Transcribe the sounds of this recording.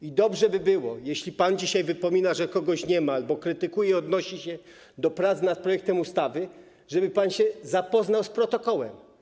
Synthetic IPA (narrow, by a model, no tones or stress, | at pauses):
id̪ɔbʐɛbɘbɘwɔjeɕlʲipand͡ʑiɕajvɘpɔmʲinaʐɛkɔɡɔɕɲɛmalbɔkɾɘt̪ɘkujɛiɔd̪nɔɕiɕɛ | d̪ɔpɾat̪snat̪̚pɾɔjɛk̚t̪ɛmust̪avɘ | ʐɛbɘpanɕɛzapɔznawspɾɔt̪ɔkɔwɛm